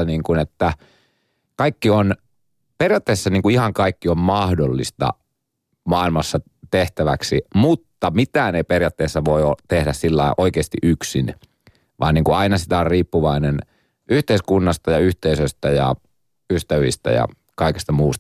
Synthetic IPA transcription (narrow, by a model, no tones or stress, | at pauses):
niːŋkunet̪ːæ | kɑikːion | perijɑt̪ːeːsːɑniːŋkuihɑŋkɑikːiommɑhdolːḭst̪ɑ̰ | mɑːilmɑsːɑ | t̪eht̪æʋæ̰ksimut̪ːɑmit̪æːneiperjɑt̪ːeːsːɑʋoiot̪ehdæssilːɑiʔoikeːst̪ḭʔyksin | ʋɑ̰ːniːŋkuɑinɑsit̪æorriːpːuʋɑinen | ʔyht̪eiskunːɑst̪ɑjɑyht̪eisøst̪æjɑ̰ | yst̪æʋḭst̪æ̰jɑ̰ | kɑikest̪ɑmuːst̪